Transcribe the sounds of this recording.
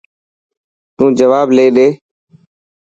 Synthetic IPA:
t̪ũːd͡ʒəʋaːbleːɗeː

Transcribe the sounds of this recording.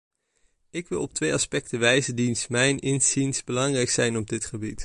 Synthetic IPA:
ɪkʋɪ̰lˠɔp̚tʋejɑspɛk̚təʋɛjzəndinsmɛjnɪnz̥insbəlɑŋrɛjksɛjnɔb̚dɪtχəbit

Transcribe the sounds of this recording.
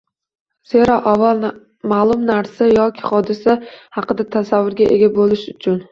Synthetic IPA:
z̥eɾɒʔavːalˠ | malˠʊmnaɾsajɒkʲʰɪ̥χɒd̪ɪsahɑqɨd̪at̪ʰasavːʊɾɡʲaʔḛɡʲabolɪʃʊt͡ʃʰʊn

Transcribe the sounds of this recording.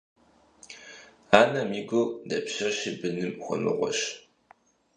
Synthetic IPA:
aːnɐmiːɡʷodɐpɕɐɕɪbɨnɨmxʷɔ̰mɨ̰ʁʷɔ̰ɕ

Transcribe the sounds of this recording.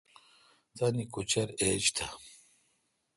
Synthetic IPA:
t̪ɐnikut͡ɕɐɾeːd͡ʑt̪ʰa

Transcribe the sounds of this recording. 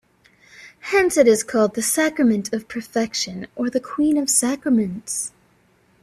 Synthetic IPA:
hɛ̃nsɨɾɨz̥kʰɔlˠd̪̚ðɨsækɹɨmɨ̃ntʰʌv̥pʰə˞fɛkʃɨ̃nə˞ðɨkʰw̥ĩnʌv̥sækɹɨmɨ̃nts

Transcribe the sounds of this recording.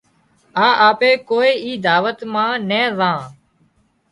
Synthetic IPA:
aːʔaːpeːkoːiːiːd̪aːʋət̪mãːnẽːzãː

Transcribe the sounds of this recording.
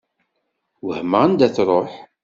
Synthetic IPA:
wəhməənd̪æθɾˤoħ

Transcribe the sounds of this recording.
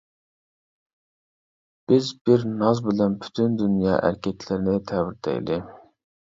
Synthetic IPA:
b̥ɪzbɪɾnɑzbɪlɛnpʰy̥t̪ʰynd̪ynjɑ̰ːʔæ̰ɾkʲɛt̪ʰlɪɾɪnɪt̪ʰɛwɪɾt̪ʰɛ̰j̰lɪ

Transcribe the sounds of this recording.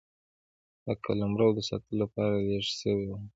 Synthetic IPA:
d̪əkʰa̰lamɾawd̪əsɑ̰t̪əlolapɑɾaleʐsəwewa

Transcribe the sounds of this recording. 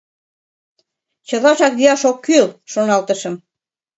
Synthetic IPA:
t͡ɕə̆lɑʃɑk̚d̪iɑʃokːylʃonɑlt̪əʃə̆m

